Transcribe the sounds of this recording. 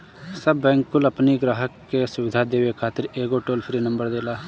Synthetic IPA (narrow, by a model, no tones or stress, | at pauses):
sɐbːɛ̃ːŋkːʊlɐpniɡɾaːɦəkːesʊʋɪd̪ʱad̪eːʋekʰaːt̪ɪɾeːɡoʈoːlpʰɾiːnɐ̃mbəɾd̪eːlaː